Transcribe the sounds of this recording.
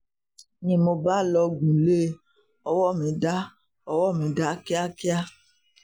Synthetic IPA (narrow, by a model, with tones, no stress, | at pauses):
nĩ˨mo˧ba˦˨lɔ˧ɡũ˨le˦ | ɔ˨wɔ˦˨mĩ˨˦da˦ | ɔ˨wɔ˦˨mĩ˨˦da˦ki˦a˦ki˦a˦